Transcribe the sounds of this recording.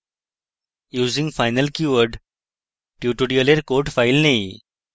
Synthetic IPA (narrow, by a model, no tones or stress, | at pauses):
juːzĩŋɡfaɪnəlkjuʋəɾɖ | ʈjuːʈuɽiəleɾkoɾʈfailnẽj